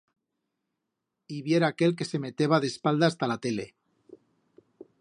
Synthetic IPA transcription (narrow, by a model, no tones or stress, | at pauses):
iβje̞ɾaːke̞lk̬e̞se̞me̞t̪eβaðespald̪aːst̪alat̪e̞le̞